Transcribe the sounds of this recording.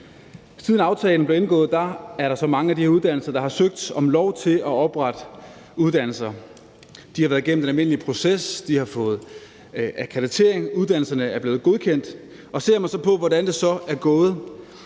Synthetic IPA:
siðˠn̩ɑ̈ʊt͡sʰɛːln̩ble̝ɐe̝nɡ̥ɔ̰̽ːð̞̩ˠd̥ɑ̈æɐɾɑ̈sɒ̽mɑ̈ŋəæd̥iheɐuð̞̥ˠæn̰l̩sɐd̥ɑ̈hɑ̈søɡ̥̚d̥sɒ̽mlɒʊ̰t͡sʰe̝lʔɒ̽ɒ̽b̥ʁɑ̈d̥ | uðˠd̥æn̰l̩sɐ | d̥ihɑ̈ʋæːɐðˠɡ̥en̰m̩d̥enælme̝n̰əlipʰʁo̝sesd̥ihɑ̈fɔ̽ːð̞̩ˠ | ækʰædit͡sʰe̝ɐ̰eŋuð̞ˠd̥æn̰l̩sɐnəæɐb̥leːð̩ˠɡ̥o̝ð̞ˠkʰen̰d̥ | ʔɒ̽se̝ɐ̰mɑsɒ̽pʰɒ̽ʋɒɾ̥ænd̥e̝sɒ̽æɐɡ̥ɔ̽ːð̞̩ˠ

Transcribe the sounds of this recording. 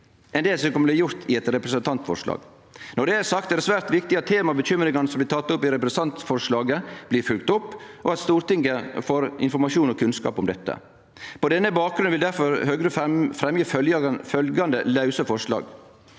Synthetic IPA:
ʔɛnd̪eːlsɔkɔmːəlɪjʊɾt̪ʰɪɛt̪ɾɛpɾəsənt̪ʰɑnt̪fɔ̰ʂlɑ̰ːɡ | nɔɖɛæɾsɑkt̪ɛdɛsʋæːɾt̪ʋɪkt̪ɪɑt̪ʰːeːmɑbəçʏmɾɪŋɑnəsɔmblɪt̪ʰɑt̪ːʊpːɪɾɛpɾɛst̪ɑnt̪fɔʂɭɑːɡəb̥lɪɾfʉlɡt̪ʊpːʔɔ̰ɑt̪st̪uːɾt̪ɪŋːəfoːɾɪ̰nfɔɾmɑʂuːnɔkʰʉnskɑ̰ːpɔmd̪ɛt̪ːə̰ | pɔd̪ɛnːəbɑːk̚ɡɾʉnʋɪld̪æɾfɔɾhøɡɾəfɾɛmjəfœljfœlɡɑnd̪əlɑʉsəfɔʂlɑ̰ːɡ

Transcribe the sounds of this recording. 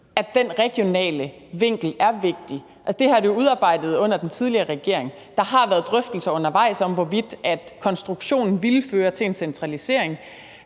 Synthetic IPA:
ædd̥enʁɛɡ̥jo̝nɛ̰ːlə | ʋe̝ŋ̰ɡ̥l̩æɐʋe̝ɡ̥̚d̥i | ʔælsəd̥e̝hɑ̈dejo̝uð̞ˠɑ̈ːb̥ɑ̈ɪ̰d̥ð̞̩ˠɔ̽n̰ɐd̥ent͡sʰið̞ˠliɐːʁɛɡ̥e̝ɐ̰e̝ŋ | d̥ɑ̈ɦɑ̈ʋæːɐð̞̩ˠd̥ʁœfd̥l̩sɐɔ̽n̰ɐʋɑ̈ɪ̰sɒ̽m̰ʋɒʋid̥æd̥kʰɒ̽nsd̥ʁuɡ̥ɕo̝̰ːnn̩ʋilføːɐt͡sʰe̝e̝nsent͡sʰʁɑlise̝̰ɐ̰e̝ŋ

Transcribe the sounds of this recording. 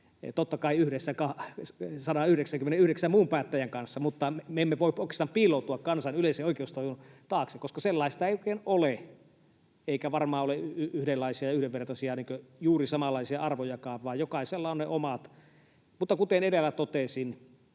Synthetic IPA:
t̪ot̪ːɑkɑˑiyhɾesːækɑ | sɑdɑyhɾeksæŋkymːeneyhɾeksæmmuːmpæːt̪ːæjæŋkɑnsːɑmut̪ːɑmeemːeʋoˑipoˑikˑest̪ɑmpiːlˑout̪uɑkkɑnsɑnyleˑiseoˑikeust̪ojunt̪ɑːksekoskɑselːɑist̪ɑeˑioˑkeːnole | eˑikæʋɑrmɑːoleyhdelːɑisiɑjɑyhdeʋʋert̪ɑsiɑniːŋkøjuːrisɑmɑlːˑɑˑisiɑɑrʋojɑkɑːʋʋɑːjjokɑˑiselːɑoneʔomɑt̪ | mut̪ːɑkut̪eneɾelːæt̪ot̪esin

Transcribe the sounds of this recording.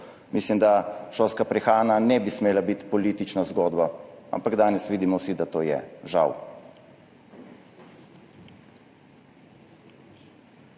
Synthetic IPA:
mislimd̪aʃoːskapɾɛxaːnanɛbismeːlabit̪pɔliːt̪it͡ʃnazɡoːd̪baa̰mpaɡd̪aːnɛsʋiːd̪imɔwsid̪at̪oːjɛ̰ʒa̰w

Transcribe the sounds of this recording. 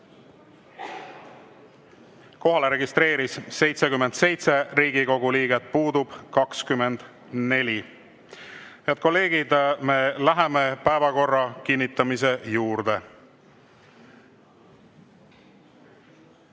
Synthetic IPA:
ko̞ɦɑle̞ɾe̞ɡist̪ɾe̞ːɾisːe̞jt̪sekymːe̞nd̪se̞jt̪se̞ɾiːɡiko̞ɡuliːɡe̞t̪̚puːd̪ub̥kɑkskymːe̞nd̪̥ | ne̞lʲi | eɑt̪̚ko̞lːe̞ːɡ̥id̪me̞læɦeme̞pæevɑko̞rːɑkinːit̪ːˑɑmis̬e̞juːrd̪̥e̞

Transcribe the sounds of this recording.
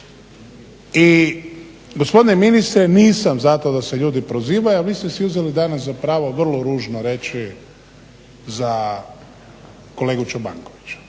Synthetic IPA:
i | ɡo̞spo̞d̪ineminist̪ɾeniːsamzat̪od̪ase̞ʎuːd̪ipɾoziːʋajoaʋiːst̪esiuzelid̪anas̬zapɾaːʋo̞ʋr̩loɾuːʒnoɾe̞t͡ʃi | za | ko̞le̞ːɡut͡ʃoba̰ŋkoʋit͡ɕu̥

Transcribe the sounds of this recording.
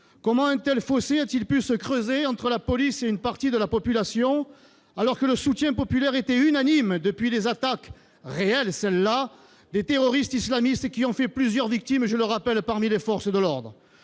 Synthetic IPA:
kɔmɑ̃ɛ̃t̪ɛlfɔseat̪ilpysəkχøzeɑ̃t̪χəlapɔliseynpaʁt̪id̪əlapɔpylasjɔ̃ | alɔʁkələsut̪jɛ̃pɔpylɛʁet̪eynanimd̪əpɥilezat̪ak | ʁeɛlsɛlːa | d̪et̪eʁɔʁist̪islamist̪kʲiɔ̃fɛplyzjœʁvik̚t̪imʒələʁapɛlpaʁmilefɔʁsəd̪əlɔʁd̪ʁə

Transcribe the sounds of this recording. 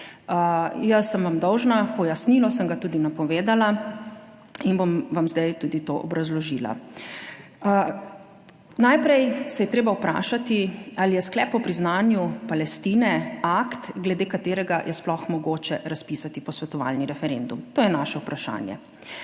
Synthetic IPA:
jəsːəmʋamd̪ɔwʒnapɔjasnilɔsəmɡat̪uːd̪inapɔʋeːd̪ala | inbomʋamzd̪ajt̪uːd̪it̪o̰ʔɔ̰bɾazlɔʒila̰ | najpɾɛjsɛjɛt̪ɾeːbawpɾa̰ːʃat̪ialijɛsklɛːpɔpɾiznaːnjupalɛst̪iːnɛakt̪ɡlɛd̪eːkat̪eːɾɛɡajʔɛsplɔxmɔɡoːt͡ʃɛɾaspisat̪ipɔsʋɛt̪ɔʋa̰lniɾɛfɛɾend̪umt̪oːjɛnaʃɛupɾaʃa̰ːnjɛ̰

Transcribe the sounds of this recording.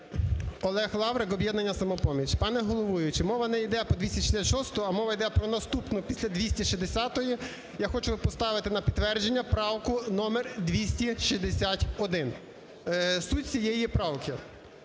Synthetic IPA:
ɔlˠɛxlˠɑʋɾekɔbjɛd̪nɐnʲːɐsɐmɔpɔmʲit͡ʃpɑnɛɦɔlˠɔʋujʊt͡ʃɪmɔʋɐnɛid̪ɛpɔd̪ʋʲisʲɐʃi̥sʲatʲʃɔst̪ɔɐmɔʋɐjd̪ɛpɾɔnɐst̪upnʊpʲisʲlʲɐd̪ʋʲisʲtʲiʃizd̪esʲat̪ɔji | jaxɔt͡ʃʊpɔst̪ɑʋɪt̪ɪnɐpʲit̪ːʋɛrd͡ʒenʲːɐpɾɑwkʊnɔmerd̪ʲʋʲisʲtʲiʃizd̪esʲatʲɔd̪ɪn | sutʲsʲijɛjipɾɑwkɪ

